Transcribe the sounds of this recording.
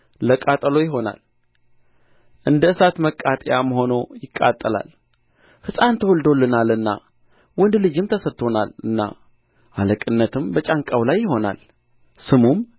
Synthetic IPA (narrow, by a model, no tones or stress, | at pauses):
ləkʼat̪ʼəlo̞jɪɦo̞na̰l | ʔɨnd̪əɨsat̪məkʼːat̪ʼjaməɦo̞no̞jɪkʼːa̰t̪ʼːəla̰l | hɨsʼant̪ʰəhuld̪o̞lːɨnalɨnːa̰ | wʊnd̪lɨd͡ʒɪmt̪ʰəsət̪ʰːo̞nalɨnːa̰ | ʔaləkʼɨnːət̪ʰɨmbət͡ʃʼaŋkʼawlajːɪɦo̞na̰l | sɨmum